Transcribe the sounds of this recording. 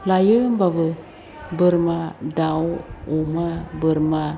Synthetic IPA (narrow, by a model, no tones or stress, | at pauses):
lajɯmbabɯ | bəɾmadawomabəɾma